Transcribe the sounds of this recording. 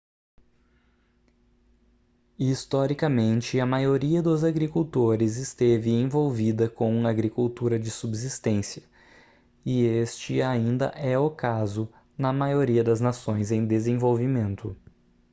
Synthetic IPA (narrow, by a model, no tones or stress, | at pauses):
ist̪ɔɾikɐmẽnt͡ʃɪɐmajoɾiɐd̪ʊzaɡɾikuwt̪oɾɪzɪst̪evɪẽj̃vowvid̪ɐkõw̃aɡɾikuwt̪uɾɐd͡ʒɪsubzist̪ẽsiɐ | ɪest͡ʃɪaĩnd̪ɐ̰ʔɛokazʊ | nɐmajoɾiɐd̪ɐznasõj̃zẽj̃d̪ezẽj̃vowvimẽnt̪ʊ